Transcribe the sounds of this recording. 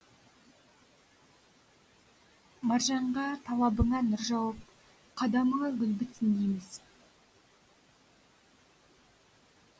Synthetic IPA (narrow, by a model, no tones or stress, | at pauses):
mɑɾʒɑɴʁɑt̪ʰɑlˠɑbəɴɑnʏɾʒɑwəp̚ | qʰɑd̪ɑməɴɑɡʲʏlbɪt̪sɪnd̪ejmɪz